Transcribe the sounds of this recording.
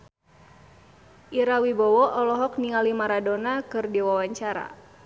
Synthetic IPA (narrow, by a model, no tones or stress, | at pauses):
ʔiɾawibɔwɔʔɔlɔɦɔk̚niŋalimaɾadonakɨrdiwawaɲt͡ʃaɾa̰